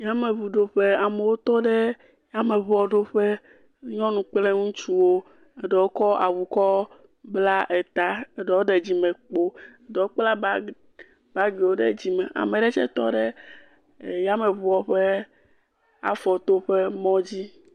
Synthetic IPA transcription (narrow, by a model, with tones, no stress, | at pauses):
ja˦me˨βu˨ɖo˨ɸe˦a˨me˨wo˦t̪ɔ˦ɖɛ˦ | ja˦me˨βɔ˨ɖo˦ɸɛ˦ | ɲɔ̃˦nũ˨k͡ple˦ŋũ˦t͡ʃu˦wo˦ | e˨ɖɛ˨wo˦kɔ˦a˨wu˨kɔ˦ | bla˦ʔe˨t̪a˨e˨ɖɛ˨wo˦ɖe˨d͡ʑi˦mɛ̃˨k͡po˦e˨ɖɛ˨wo˦k͡pla˦ | ba˦ɡe˨wo˦ɖḛ˦d͡ʑi˦mɛ˨ʔa̰˨me˨ɖɛ˦t͡ʃɛ̰˦t̪ɔ̰˦ɖɛ˦˨ | ja˦me˨βɔ˨ɸe˦ | a̰˦fɔ˨t̪o˦ɸe˦mɔ̃˦d͡ʑi˦